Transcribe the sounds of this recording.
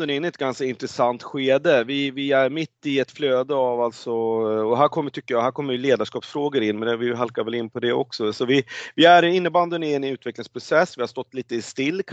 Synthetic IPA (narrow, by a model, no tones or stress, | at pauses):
d̪ənɪnːɪɛt̪ɡanskaɪnt̪ɾɛsant̪ɧeːd̪əvɪvɪæɾmɪt̪ːɪɛt̪fløːd̪əavalt̪sɔɔɦæːɾkʰɔmːəʈʰʏkːəjɑːɦhæːɾkʰɔmːəɾjɵleːd̪aʂkɑːpsfɾoːɡəɾɪnːmɛnd̪ɛvɪɦalkaɾvɛlɪnːpʰɔd̪ɛɔ̰ksɔsɔvɪvɪæɾɪnːəband̪ənɪnʉ̟ːt̪vɛklɪŋspʰɾʊsɛsːvɪhaʂt̪ɔt̪ːliːt̪əɪst̪ɪlːkʰ